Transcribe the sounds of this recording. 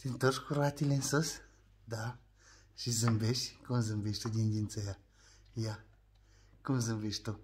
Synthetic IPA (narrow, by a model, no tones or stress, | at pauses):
t̪int̪oʃkuɾat̪ilensəs | d̪a | ʃizɨmbeʃkɨmzɨmbeʃt̪ud̪ʲindʲint͡səja | ja | kɨmzɨmbeʃt̪o